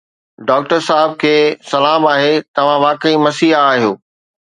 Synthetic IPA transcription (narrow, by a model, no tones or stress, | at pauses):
ɖaːk̚ʈəɾsaːɦɪb̚kʰeːsɐlaːmaːɦet̪ɐʋ̤ãʋaːkəimɐsiːɦaːɦijoː